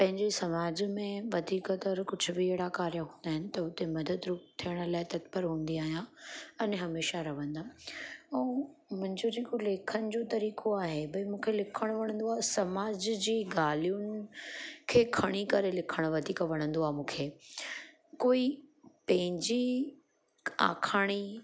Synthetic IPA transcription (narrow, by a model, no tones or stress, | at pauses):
pɐ̃ɦɪ̃ɲd͡ʑesɐmaːd͡ʑmẽʋɐd̪ʱiːkət̪ɐɾkʊd͡ʑʱʊbɪeːɽakaːɾjəɦũːn̆d̪aːɦɪnɪ̆t̪ɐʊt̪emɐd̪əd̪ɾʊk̚t̪ʰijəɽ̃ʊ̆laːɪt̪ɐt̪pəɾɦũːn̆d̪iaːɦijãɛnɦɐmeːʃaɾɐʋə̃nd̪aːɛ̃ːmʊ̃ɦɪ̃ɲd͡ʑod͡ʑeːkoleːkʰənɪ̆d͡ʑoːt̪ɐɾiːkʰoaːɦebɐimũːkʰelɪkʰəɽ̃ʊʋɐɽ̃ə̃nd̪oaːɦsɐmaːd͡ʑd͡ʑiːɡaːlijunɪ̆kʰeːkʰɐɽ̃ikɐɾelɪkʰəɽ̃ʊʋɐd̪ʱiːkɐʋɐɽ̃ə̃nd̪oaːɦmũːkʰeː | koːipɐ̃ɦɪ̃ɲd͡ʑi | a̰ːkʰaːɽ̃i